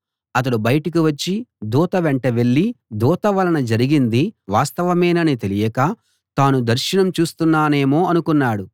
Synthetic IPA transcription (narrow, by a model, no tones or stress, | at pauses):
ɐt̪ɐɽubɐjɐʈɐkiʋɐt͡ʃːid̪uːt̪ɐʋeɳʈɐʋe̞ɭːid̪uːt̪ɐʋɐlɐnɐd͡ʒɐɾiɡind̪iʋaːst̪ɐʋɐmejnɐnit̪e̞lijɐkaː | t̪aːnud̪ɐɾʃinɐmt͡ʃuːst̪unːaːne̞ːmo̞ːɐnukunːaːɽu